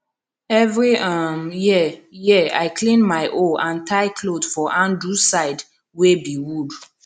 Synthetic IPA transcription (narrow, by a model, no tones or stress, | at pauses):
ɛvɹiamjijɛa̰ɪklĩnmaɪʔoãntʰaɪkʰlodfɔʔãndɹusaɪd | webiwud